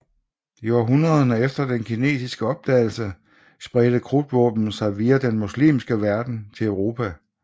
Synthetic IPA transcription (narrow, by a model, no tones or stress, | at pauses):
iɒɦunʁɐð̞ˠɐnəefd̥ɐd̥enkʰine̝̰ːsisɡ̥əɒ̽b̥̚d̥ɛ̰ɪl̩sə | sb̥ʁɛd̥əkʰʁud̥ʋɔ̰̽ːb̥n̩sɑ̈ɪʋiːæd̥enmuslḭːmsɡ̥əʋæɐd̥n̩t͡sʰe̝lœʊʁo̝ːpʰæ